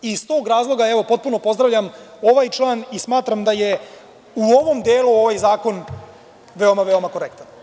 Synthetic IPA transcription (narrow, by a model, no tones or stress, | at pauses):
ist̪oːɡɾaːzlˠo̞ɡaeʋo̞po̞t̪̚punopo̞zd̪ɾaʋvʎam | o̞ʋajt͡ʂlˠaːnismaːt̪ɾamd̪aje̞ | uo̞ʋo̞md̪eːluo̞ʋajzaːko̞n | ʋeomaʋeo̞makoɾek̚t̪an